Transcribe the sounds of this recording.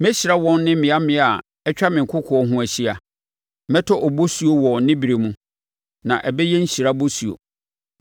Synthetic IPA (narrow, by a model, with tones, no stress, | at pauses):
mɛ̃˦ɕi˨ɾa˦wɔ̃˦nː˦ɪ̃˦mɪ̃˨a˦mɪ̃˨˦a˨ | ɛ˦t͡ɕᶣa˦mɪ̃˨ŋ̩˨kʰʊ˦kʰʊ˨ɔ˨˦ɦʊ̃˦æ˨ɕi˦a˨ | mɛ̃˦tʰɔ˦ʔɔ˨bo˦su˨o˦wɔ˨nɪ̃˦bi˨ɾe˨mũ˦ | nã˨ʔɛ˨bɛ˦jɛ˦n̩˦ɕi˨ɾa˦bo˦su˨o̰˨